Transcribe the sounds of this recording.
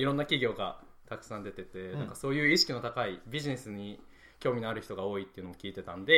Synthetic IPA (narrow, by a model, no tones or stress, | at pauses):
iɾõ̞nːakʲiɡʲo̞ːɡat̪akɯ̟̥sãnd̪e̞t̪e̞t̪enãŋkaso̞ːjɯ̟ːiɕi̥kʲino̞t̪akaibʲiʑine̞sɨɲ̟i | kʲo̞ːmʲinoaɾɯ̟çi̥t̪o̞ɡao̞ːit̪ːeɯ̟nookʲiːt̪e̞t̪ãnd̪e̞